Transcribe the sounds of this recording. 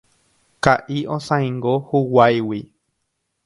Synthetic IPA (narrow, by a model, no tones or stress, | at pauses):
kaʔiõsãj̃ŋɡohuwajwi